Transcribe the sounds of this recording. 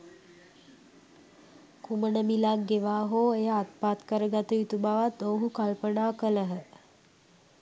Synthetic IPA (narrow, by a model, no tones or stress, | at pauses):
kumənəmilaɡeʋaːɦoːejəat̪̚paːt̪kəɾəɡat̪ujit̪ubaʋat̪oːɦukalpənaːkələɦə